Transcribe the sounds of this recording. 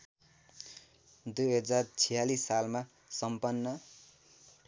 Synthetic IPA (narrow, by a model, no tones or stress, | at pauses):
d̪ujɦʌd͡zart͡sʰijalisːalma | sʌmpʌnːʌ